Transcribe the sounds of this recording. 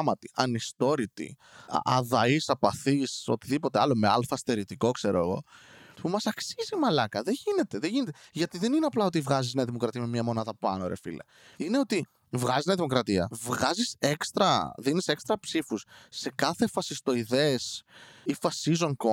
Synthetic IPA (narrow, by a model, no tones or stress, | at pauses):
mɐt̪i̥ʔɐnist̪o̞ɾit̪ḭ | ɐðɐisɐpɐθiso̞̰t̪iðipo̞t̪eɐlo̞me̞ɐlfɐst̪e̞ɾit̪iko̞kse̞ɾoeɣo̞̰pumɐsɐksizimɐlɐkɐðeʝine̞t̪e̞ðeʝinet̪eʝɐt̪iðe̞nineɐplɐo̞t̪̬ivɣɐzizneɐðimo̞kɾɐt̪iɐme̞mɲɐmo̞nɐðɐpɐ̰nooɾefḭlɐ̰ | ine̞o̞t̪i | vɣɐzizneɐðimo̞kɾɐt̪iɐ̰vɣɐzise̞kst̪ɾɐðinise̞kst̪ɾɐpsifusːe̞kɐθefɐsist̪o̞iðe̞ːsifɐsizo̞ŋko